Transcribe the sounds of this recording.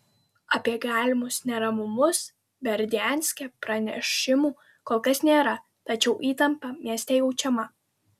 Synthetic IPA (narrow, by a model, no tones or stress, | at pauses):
ɐpʲiɛɡɑːlʲɪmʊsnʲɛɾɐmʊmʊs | bʲɛɾʲd̪ʲæˑnʲsʲkʲɛpɾɐnʲɛ̰ʃʲɪmuː | koːlˠkɐsnʲeːɾɐ | t̪ɐt͡ʃʲɛʊʔiːt̪ɐmpɐmʲiɛsʲt̪ʲɛjɛʊt͡ʃʲɛmɐ